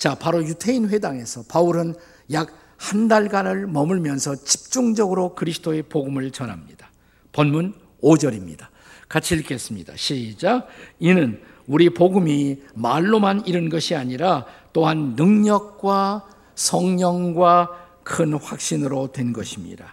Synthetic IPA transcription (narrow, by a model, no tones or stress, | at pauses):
t͡ɕapaɾojutʰeinɸwe̞daŋe̞sʰʌpauɾɯn | jak̚ | handaɭɡanɯɭmʌmɯɭmjʌnsʰʌt͡ɕi̥p̚t͡ɕ͈uŋd͡ʑʌɡɯɾokɯɾisʰɯ̥tʰoe̞poɡumɯɭt͡ɕʌnɦa̰mɲḭd̥a | pʌnmun | od͡ʑʌɾimɲḭda | kat͡ɕʰiiɭk͈es͈ɯmɲḭda̰ɕʰid͡ʑainɯn | uɾipoɡumimaɭːomaniɾɯnɡʌɕʰiaɲiɾat͈oɦanːɯŋɲʌk̚k͈wa | sʰʌŋɲʌŋɡwa | kʰɯnɸwak̚ɕ͈inɯɾotwe̞nɡʌɕʰimɲḭda̰